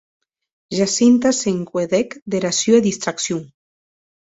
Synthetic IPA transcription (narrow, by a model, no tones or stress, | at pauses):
ʒasint̪aseŋkweðekd̪eɾasjoeðist̪ɾaksjuŋ